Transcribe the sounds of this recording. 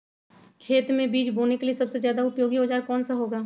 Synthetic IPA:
kʰeːt̪mẽbiːt͡ʃboːnekeliesɐbsezjaːd̪aʊpjoːɡiɦoːd͡ʒaːɾkɔːnsaɦoːɡaː

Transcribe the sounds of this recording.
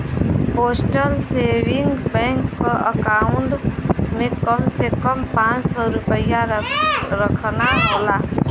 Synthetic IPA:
poːsʈəlseːʋɪ̃ŋɡbɛ̃ːŋkːoʔəkaːʊɳʈmẽkəmsekəmpãːt͡ʃsɔɾʊpəja | ɾəkʰnaɦolaː

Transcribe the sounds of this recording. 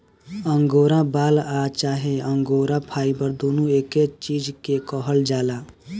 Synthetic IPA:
əŋɡoːɾãbaːlaːt͡ʃaːɦeə̃ŋɡoːɾãpʰaːibəɾd̪oːnueːket͡ʃiːd͡ʒkekɔɦəld͡ʒaːlaː

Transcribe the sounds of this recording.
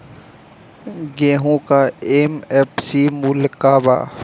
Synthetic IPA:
ɡẽːɦũkaemepsimulkaːba̰ː

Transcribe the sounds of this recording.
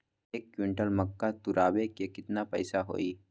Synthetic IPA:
ekːjiɳʈəlməkːat̪uɾʔaːʋekekɪt̪napəjsaɦo̰ːiː

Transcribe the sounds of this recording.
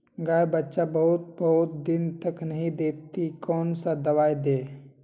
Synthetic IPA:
ɡaːebətːʃabəɦʊt̪̚bəɦʊt̪̚d̪ɪnt̪əknəɦĩd̪eːpt̪ikɔːnsad̪əwaːjd̪eː

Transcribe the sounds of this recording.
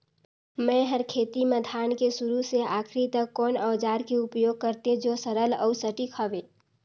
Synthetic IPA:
mɛ̃ːɦəɾkʰeːt̪imə̃d̪ʱaːnkesʊɾuseaːkʰɾit̪əkːɔːnəːd͡ʒaːɾkeʊpjoːɡ̚kəɾt̪ẽd͡ʒoːsəɾəlɔ̰ːsəʈikʰəʋeː

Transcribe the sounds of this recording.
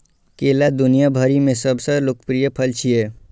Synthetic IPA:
keːlad̪ʊnijabʱaɾimẽsəbsəloːkpɾijəpʰəlt͡ʃʰie

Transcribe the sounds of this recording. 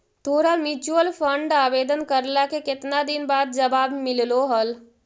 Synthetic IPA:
t̪ʰoːɾamjuːt͡ʃuəlpʰəɳɖaːbeːd̪ənkəɾlakekɪt̪nad̪inbaːd̪̚d͡ʒəbaːbmɪlloɦəl

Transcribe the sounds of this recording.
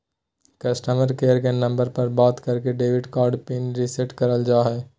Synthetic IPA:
kɐsʈəməɾkeːəɾkenɐ̃mbəɾpɐɾbɔːt̪kɐɾkeɖeːʋɪɖkɔːɾɖpiːnɾiseʈkɐɾəld͡ʒaːɦɛː

